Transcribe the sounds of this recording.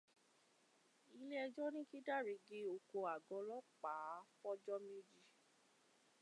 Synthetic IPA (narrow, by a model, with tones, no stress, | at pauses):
i˧˦le˦ɛ˧d͡ʒɔ˦nĩ˦ki˦da˦˨ɾi˨˦ɡe˦o˧ko˧a˨ɡɔ̃˨˦lɔ˦k͡pa˨˦fɔ˦d͡ʒɔ˦mẽ˦d͡ʒi˦